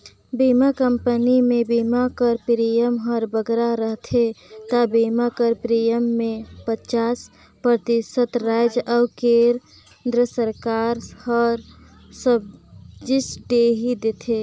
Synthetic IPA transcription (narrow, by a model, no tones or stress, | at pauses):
bimakəmpənimebimakəɾpɾijəmɦəɾbəɡɾaɾəɦt̪ʰet̪abimakəɾpɾijəmːepət͡ʃas | pɾət̪isət̪ɾaɪd͡ʒawkeɾ | nd̪ɾəsəɾkaɾhəɾ | səbd͡ʒisɖeɦid̪et̪ʰe